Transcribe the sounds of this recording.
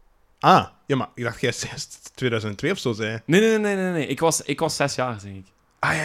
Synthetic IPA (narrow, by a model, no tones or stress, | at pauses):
ʔaːjaːmaɪɡ̚daxtxɛsɛstwʋeːdœɥzəntɛntʋeːɔfsoːzɛjəneneneneneneʔɪkʋɑsɪkʋɑsːɛsjaːrzɛŋɪk | aja